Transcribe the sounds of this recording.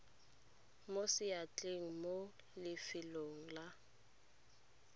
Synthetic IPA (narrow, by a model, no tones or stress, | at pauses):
mosɪjat͡ɬʼeŋ̩mo | lɪfɪloŋ̩la